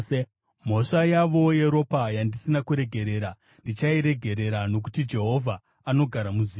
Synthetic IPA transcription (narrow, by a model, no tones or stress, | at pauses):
m̤o̞ʂajaʋo̞je̞ɾo̞pajandisinakuɾe̞ɡʱe̞ɾe̞ːɾa | ndit͡ʃaiɾe̞ɡʱe̞ɾe̞ɾano̞k̬u̥tid͡ʒe̞ɦo̞vʱa | ano̞ɡʱaɾamuziː